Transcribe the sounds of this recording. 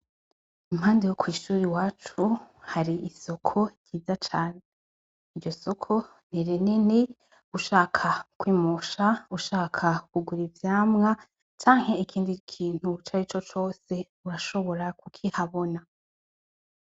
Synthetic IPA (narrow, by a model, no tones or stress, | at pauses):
umhaːndejokwiːʃuːɾiwaːt͡ʃu | haɾiʔiso̞kʰo̞ɾɟiːzat͡ʃaːne | iɾɟo̞so̞kʰo̞ | neɾenene | uʃaːkʰakwiːmoʃauʃaːkʰakuɡuɾivjaːmŋa | t͡ʃaːŋhe̞ikʰiːndikʰiːn̥hut͡ʃaːɾit͡ʃo̞t͡ʃo̞ːse̞ | uɾaʃo̞βo̞ɾakukʰihaβo̞na